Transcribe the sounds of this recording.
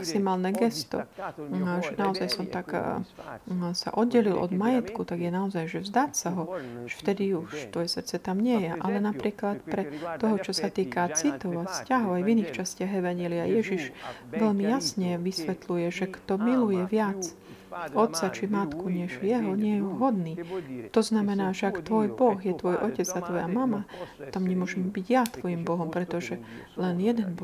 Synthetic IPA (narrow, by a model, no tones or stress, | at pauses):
maksimaːlnɛɡɛst̪ɔ̰ | ʒɛnaɔzajsɔmt̪ak | sa̰ʔɔd̪̚ɟɛlilʔɔ̰d̪majɛt̪kut̪aɡjɛnaɔzajʒɛvzd̪aːcsaɦɔʒft̪ɛd̪iuʃt̪ʋɔjɛsərɾt̪t͡sɛt̪amɲɪɛjɛʔalɛnapɾiːklat̪pɾɛt̪ɔɦɔt͡ʃɔsat̪iːkat͡sit̪ɔʊascaɦɔʊajviniːxt͡ʃascɪaɣɛʋaɲɪɛliajɛʒiʒʋɛʎmijasɲɛʋisʋɛt̪lujɛʒɛkt̪ɔmilujɛʋɪat͡s | ɔt̪t͡sat͡ʃimat̪kuɲɛʒjɛɦɔɲɪɛjuɦɔd̪niːt̪ɔznamɛnaːʒɛakt̪ʋɔjbɔɣjɛt̪ʋɔjʔɔcɛd͡zat̪ʋɔjamamat̪amɲɛmʊɔʒɛmbiɟjat̪ʋɔjimbɔɦɔmpɾɛt̪ɔʒɛ | lɛnjɛd̪ɛnb